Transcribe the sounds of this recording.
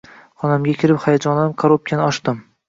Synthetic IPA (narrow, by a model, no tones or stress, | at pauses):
χɒnamɡʲakʲʰɪɾɪpχajad͡ʒɒnamkʰoɾup̚kʲʰanɪɒʃt̪ɪm